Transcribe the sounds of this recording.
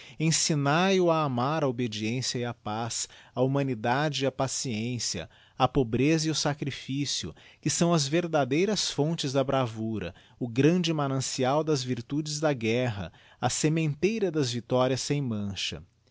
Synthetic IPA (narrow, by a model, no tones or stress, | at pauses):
ẽsinajʊaːmaɾɐobed͡ʒiẽsjɐɪɐpasɐumɐ̃nid̪ad͡ʒɪːɐpasiẽsiɐ̰ | ɐpobɾezɐiʊsakɾifisiʊ̰kɪsɐ̃w̃ɐzveɾd̪ad̪ejɾɐsfõnt͡ʃɪzd̪ɐbɾavuɾɐ̰ | ʊɡɾɐ̃d͡ʒɪmanɐ̃siawd̪ɐzviɾt̪ud͡ʒɪzd̪ɐɡɛɦɐ̰ | ɐsemẽnt̪ejɾɐd̪ɐzvit̪ɔɾiɐsːẽj̃mɐ̃ʃɐ̰